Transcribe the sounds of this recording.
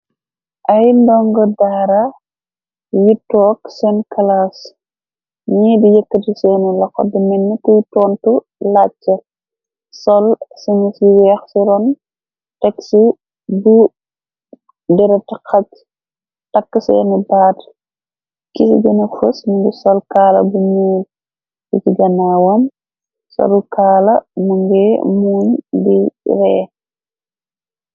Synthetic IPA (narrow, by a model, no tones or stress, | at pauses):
ʔɐjndɔŋɡɔdaːɾɐ | jitːɔːksɛnkɐlas | ɲidijəkːətisɛːnilɐkːɔ̰dimɛnːikujtɔːntu | lat͡ʃːɐ | sɔlsiɲisiwɛxsiɾɔn | tɛksi | bu | dɛɾɐtixat | takːəsɛ̰nibaːt | kisḭɡɐnɐfəsmuŋɡɛsɔlkaːlɐ̰bumuːl | kitiɡɐnawɔm | sɔ̰lukaːlɐmuŋɡɛmuːɲbiɾɛ̰ː